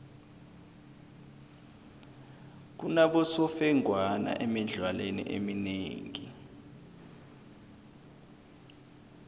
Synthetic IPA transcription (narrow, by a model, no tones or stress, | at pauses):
k̬unaɓɔsɔfɛŋʱwana̰ʔɛmiɮʱwalenḭʔemineːŋi